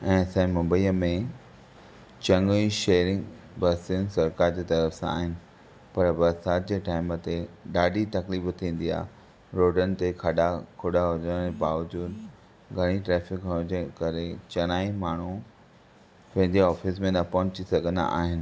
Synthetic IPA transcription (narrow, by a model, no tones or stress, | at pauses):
ɛ̃ːsãmɐ̃mbəiːəmẽ | t͡ɕɐ̃ŋɡiʃeːɾɪ̃ŋɡ | bɐɾsiənɪsɐɾkaːɾd͡ʑeːt̪ɐɾəfsãa̰ːɦɪnɪ̆ | pɐɾbɐɾsaːt̪̚d͡ʑeːʈaːɪmət̪eɗaːɖʱit̪ɐkliːft̪ʰĩːn̆d̪ia̰ːɦ | ɾoːʈənɪ̆t̪ekʰɐɗakʰoɗaɦod͡ʑəñebaːʋəd͡ʑuːd̪ | ɡʱɐɽ̃iʈɾɛːfɪkɦod͡ʑəkɐɾet͡ɕɐñaːimaːɳ̤u | pẽːnd̪iaɔːfɪsmẽnɐpɔɦʊ̃t͡ɕisɐɡʱə̃nd̪a̰ʔa̰ːɦɪnɪ̆